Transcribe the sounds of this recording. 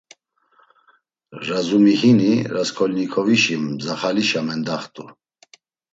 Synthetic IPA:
ɾazumihiniɾaskʰɔlnikʰɔviʃimzaχaliʃamɛnd̪aχt̪ʼu

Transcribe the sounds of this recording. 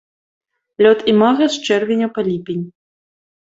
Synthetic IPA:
lʲɔt̪imaɣɐst͡ʂɛrvʲenʲɐpalʲipʲenʲ

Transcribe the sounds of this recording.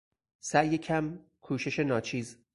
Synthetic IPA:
sæʔjecʰæm | kʰuːʃe̞ʃe̞nɒːt͡ʃʰiːz

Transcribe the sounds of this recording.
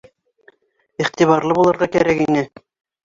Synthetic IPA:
iχt̪iβɑɾlˠɤbulˠɤ̆ɾʁɑkæ̰ɾækinɘ

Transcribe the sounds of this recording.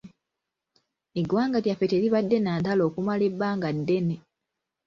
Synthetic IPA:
eɡwaːŋɡatjafeteːɾiβadːe̞naːntalo̞ːkumale̞baːŋɡadːe̞ne

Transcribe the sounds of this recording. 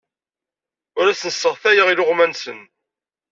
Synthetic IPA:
ʊɾæsənəsːəʁθæjəʁilʊʁmænsən

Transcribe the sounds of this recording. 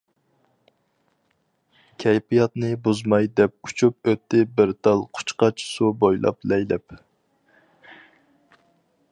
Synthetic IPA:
kʲʰɛjpijɑt̪nɨbuzmɑjd̪ɛp̚ut͡ʃʰup̚øt̪ːɪbɪɾt̪ʰɑlˠqʰʊ̥t͡ʃqɑt͡ʃʰsubojlˠɑ̰plɛjlɛp

